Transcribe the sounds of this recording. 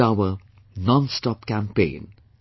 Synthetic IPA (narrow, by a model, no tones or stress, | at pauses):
aʊə | nɔ̃nstɔpkæ̃mpḛ̃ːn